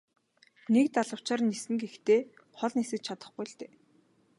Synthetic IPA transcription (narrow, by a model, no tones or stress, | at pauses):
nek̚t̪aɮə̆w̥t͡ɕaːrnːisɘ̆ŋkext̪eː | χɔɮnesɘ̆t͡ɕt͡ɕʰat̪ə̆χɡujɬt̪eː